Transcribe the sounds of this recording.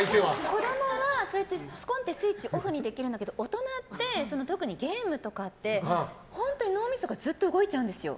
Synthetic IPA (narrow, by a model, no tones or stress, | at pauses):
eako̞ɾemoβaso̞ɾe̞t̪ːet͡sɨ̥kõ̞nt̪e̞sɨit͡ɕiʔo̞ɸɯ̟ɲ̟id̪e̞kʲiɾɯ̟nd̪aked̪oot̪o̞nat̪ːe̞so̞not̪o̞kɯ̟ɲ̟iɡe̞ːmɯ̟t̪o̞kat̪ːe̞ | hõ̞nt̪o̞ɲino̞ːmʲisoɡazɨt̪ːo̞ɯ̟ɡo̞it͡ɕaɯ̟̃nd̪e̞sɨjo̞̰